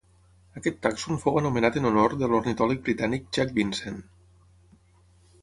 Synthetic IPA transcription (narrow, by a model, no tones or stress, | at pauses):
əkɛt̪ːaksunfowənumənat̪ənunoɾðəlornit̪ɔlik̚bɾit̪anik̚ʒak̚binsen